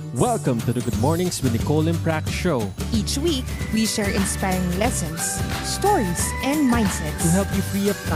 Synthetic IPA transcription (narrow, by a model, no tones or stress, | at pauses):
wɛlˠkə̃mt̪ud̪əɡʊd̪̚mɔɹnɪ̃ŋswɪd̪əkolɪ̃npɹækʃoʊʔiːt͡ʃwikwiʃɛɹʔɪ̃nspajɹɪ̃ŋlɛsɔ̃nsst̪ɔɹisʔɛ̃nd̪̚mãj̃ndsɛt̪uɦɛlpjufɹiɔv